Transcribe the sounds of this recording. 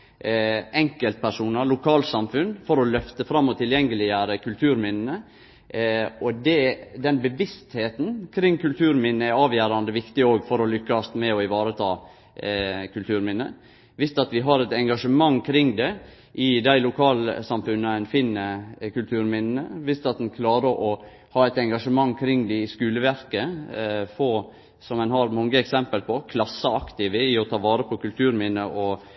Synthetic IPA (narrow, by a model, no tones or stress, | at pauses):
ʔɛŋkəlt̪̚pʰæʂuːnəɭʊkʰɑːlt̪sɑmfʉnfɔɾɔlœft̪əfɾɑmːɔt̪ʰːɪljɛŋːəlɪəɾəkʰʉlt̪ʰʉːɾmɪnənə | ɔd̪ɛd̪ɛnbəʋɪst̪heːt̪n̩kʰɾɪŋːkʉlt̪ʰʉːɾmɪnːəæɾɑːʋjæːɾɑnd̪əʋɪkt̪ɪoːɡfɔɾɔlʏkːɑst̪mɛɔɪʋɑːɾət̪ʰɑː | kʰʉlt̪ʰʉːɾmɪnːə̰ | ʋɪst̪ɑt̪ʋɪɦɑɾɛt̪ɛŋɡɑʂəmɑŋːkʰɾɪŋd̪ɛ | ʔɪd̪æɪlʊkʰɑːlsɑmfʉnːəæɪnfɪnːəkʉlt̪ʰʉːɾmɪnnəʋɪst̪ɑt̪̚d̪ɛnkʰlɑːɾəɾʔɔ | hɑːɛt̪ɛŋɡɑʂəmɑŋːkʰɾɪŋːd̪ɛɪskʉːləʋæɾkəfɔ | sɔmɛnɦɑɾmɑŋːəɛksɛmpəlpʰɔkʰlɑsːəɑkt̪ɪʋəɪɔt̪ʰɑːʋɑːɾəpʰɔkʰʉlt̪ʰʉːɾmɪnəʔɔ